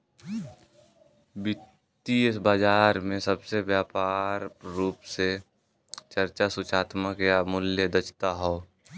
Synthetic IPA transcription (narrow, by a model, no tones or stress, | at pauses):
bɪ | t̪ːiɪsbaːd͡ʒaːɾmẽsəbsebjaːpaːɾːuːpse | t͡ʃəɾt͡ʃasʊt͡ʃʰaːt̪məkjamʊljəd̪ət͡ʃt̪aɦɔː